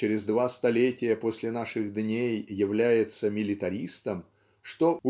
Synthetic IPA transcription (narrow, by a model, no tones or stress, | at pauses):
t͡ɕɪɾʲɪzd̪vast̪ɐlʲetʲɪjəpo̞sʲlʲɪnaʂɨɣd̪nʲejːɪvlʲæjɪt̪səmʲɪlʲɪt̪ɐɾʲist̪əm | ʂt̪oʊ